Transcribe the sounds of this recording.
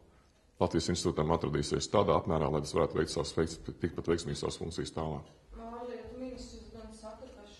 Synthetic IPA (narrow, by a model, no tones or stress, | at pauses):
lˠat̪vijəsinst̪t̪uːt̪emat̪ɾad̪iːsḛɛːst̪aːd̪aːapmæːɾaːlˠajt̪asvaɾæːt̪ʊvɛ̰kt̪sa̰st̪ik̚pat̪vɛjksmiːɡsa̰ʋsfṵ̃ŋkt̪sijst̪aːlˠaːkmaːlit̪miniszd̪ansat̪ɾta